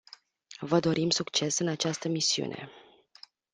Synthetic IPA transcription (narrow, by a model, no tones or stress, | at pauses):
vəd̪o̞ɾʔimsukt͡ʃe̞sɨnat͡ʃast̪əmisiṵnʔe̞̰